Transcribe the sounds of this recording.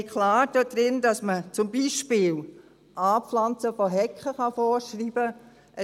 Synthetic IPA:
kʰlaːɾd̥ɔd̥ɾɪndɑsmət͡sʊmbiʃpɪːl | ʔɑːpflɑnt͡səfɔɦɛkχəχɑfɔːɾʃriːb̥ə | ʔə

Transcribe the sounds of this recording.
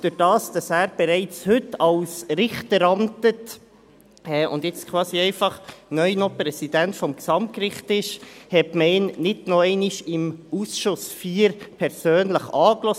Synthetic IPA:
d̥ʉɾd̥ɑːsd̥ɑsæːɾb̥ɛɾɛɪt͡shʏtɑlsɾɪχtəɾɑntət | ɛʊ̰ndjɛt͡skʰwɑːsiɛɪfɑχnœʏnopɾɛsidæntfɔmksɑmt̚kɾɪχtɪʃhɛtmɛɪnnɪdnoɛɪnɪʃɪmusʃʊsfiːɾpʰɛɾsøːnləχɑːklɔ

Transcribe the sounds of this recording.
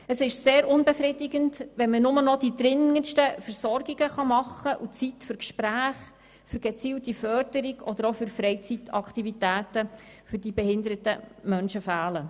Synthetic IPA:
əsɪʃseːɾʊnbɛfɾɪdɪɡəndʋɛnmənʊmənɔdidɾɪŋənʃtəfəɾsɔɾɡiɡəχɑmɑχːəʔut͡sitfʏɾkʃpɾæːχ | fʏɾɡ̥ɛt͡siːltifœrdəɾiɡɔd̪əɾofʏɾfɾɛɪt͡sit̪ɑ̰kʰtivitæːtə | fʏɾdibɛhɪnd̪əɾətəmœnʃəfæːlə

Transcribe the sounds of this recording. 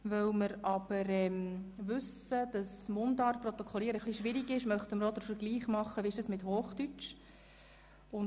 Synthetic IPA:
ʋœwməɾɑb̥əɾɛmʋʏsəd̥ɑsmʊndɑːɾprɔt̪ɔkʰɔliːəɾəχliʃʋɪɾiɡɪʃmœχt̪əməɾɔd̪əɾfəɾɡliːχmɑχːəʋiɪʃdɑsmɪthoːχd̥yt͡ʃ | ʊn

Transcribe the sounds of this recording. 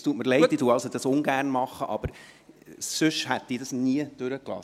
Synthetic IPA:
stuətməɾlɛɪt̪̚diduːɑlsod̥ɑsʊŋɡæːrnmɑχːəʔɑb̥əɾ | søʃhæt̪ːiːdɑsniəd̥øɾəklɑ̰

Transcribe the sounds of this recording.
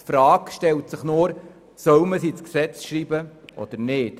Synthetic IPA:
tfɾɑːkʃtɛltsɪχnoːɾ | sœwməsiːt͡sksɛt͡sʃriːbəʔɔ̰d̥̪əɾnɪːt

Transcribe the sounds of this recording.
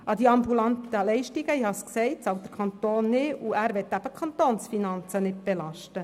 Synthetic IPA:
ʔɑd̪iɑmbulɑnt̪əlɛɪʃtiɡəihɑsksɛɪtsɑwd̥̪əɾkʰχɑnt̪oːnːɪuæɾʋɛt̪ːæb̥əkχɑnt̪oːnsfinɑnt͡sənɪt̚b̥ɛlɑʃtə

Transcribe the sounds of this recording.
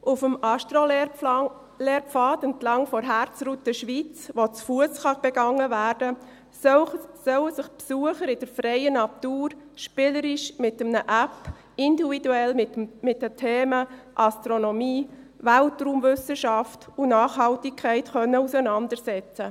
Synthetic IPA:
ʔufəmɑʃtɾo | leːɾpfɑːtəntlɑŋfɔɾɦæːɾt͡sɾutəʃʋit͡sʋot͡sfuəsχɑb̥ɛɡ̥ɑŋːəvæːɾdə | sœwəsɪχpsuəχəɾɪd̥əɾfɾɛɪənɑt̪uːɾʃpɪləɾɪʃmɪtəmnəʔæp | ɪndividuɛlmɪt̚dətʰeːməʔɑstɾonɔmiː | ʋæltruːmvʏsəʃɑftunɑːχɦɑltikʰæɪtχœnːəusənɑndəɾsɛt͡sə

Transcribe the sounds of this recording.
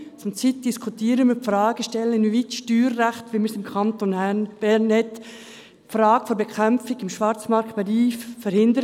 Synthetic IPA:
t͡sʊmt͡sit̚d̥iskʰutiːɾənmifrɑːɡ̥əʃtɛlːənvitʃtyːɾːæχt̪ʋiːmiɾsɪmkʰɑntonb̥ɛɾnhɛt̪ | fɾɑːɡ̥əfɔɾbɛkʰɛmfɪɡɪmʃʋɑɾt͡smɑɾktb̥ɛliːffɛɾhɪnd̪əɾ

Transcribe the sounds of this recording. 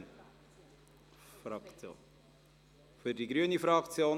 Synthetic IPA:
n | frɑkt͡so̰ː | fyrdiɡɾyənifrɑkt͡sioːn

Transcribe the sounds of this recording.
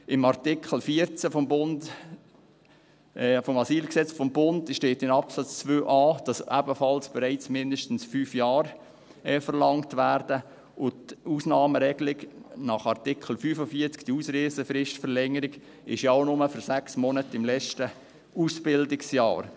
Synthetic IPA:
ɪmɑrtɪkχəl̩fiəɾt͡səfɔmbʊnd | fɔmɑsiːlksɛt͡sfɔmbʊndʃteːtɪnɑpsɑt͡st͡sʋøːʔɑːd̥ɑsæbəfɑlsb̥ɛɾɛɪt͡smɪndəʃtn̩sfyːfjɑːɾ | ɛfəɾlɑŋtʋæːɾdə | ʊtuːsnɑːməɾɛɡlɪɡnɑχɑrtɪkχl̩fyːfəfiəɾt͡skd̥iuːsɾeːzəfɾɪʃtfəɾlɛŋəɾɪɡ | ɪ̰ʃjaʊnʊməfyɾsæksmɔnətɪmlɛt͡ʃtə | uːsb̥ɪldɪksjɑ̰ːɾ

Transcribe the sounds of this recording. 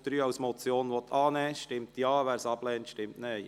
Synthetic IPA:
d̥̪ɾyːɑwsmɔt͡sjoːnʋɔt̪ʰːɑːnɛːʃtɪmtjɑːʋæːɾsɑb̥lɛːntʃtɪmtnɛ

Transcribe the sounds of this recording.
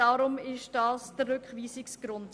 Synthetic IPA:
ɑːɾʊmɪʃd̥ɑːsd̥ərːʏkχviːsɪksɡ̥ɾʊnt

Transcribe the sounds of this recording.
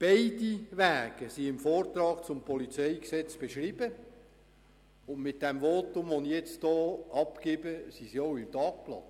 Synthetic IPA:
b̥eɪdiʋæːɡ̥əsiɪmfoːrt̪ɾɑːkt͡sʊmpʰɔlit͡seɪksɛt͡sb̥eʃɾib̥ə | ʊndmɪt̚d̥ɛmvoːtʊmʋonijɛt͡sd̥ɔːʔɑpkeːb̥əsisioʊɪmtɑːk̚plɑ̰n

